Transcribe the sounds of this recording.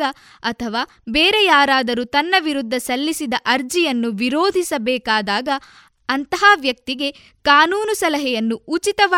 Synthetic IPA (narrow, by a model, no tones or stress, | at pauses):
ɐ | ɐt̪ʰɐʋaː | beːɾejaːɾaːd̪ɐɾut̪ɐnːɐʋiɾud̪ʱːɐsɐlːisid̪ɐʔɐɾd͡ʒijɐnːuʋiɾoːd̪ʱisɐbɛːkaːd̪aːɡɐ | ɐnt̪ɐɦaʋjɐk̚t̪iɡe̞ | kaːnuːnusɐlɐɦɛjɐnːuːt͡ʃit̪ɐʋa